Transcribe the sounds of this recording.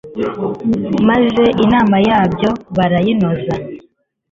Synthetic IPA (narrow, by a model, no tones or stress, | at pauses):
maze̞ʔinaːmajaːbjo̞βaɾajinoza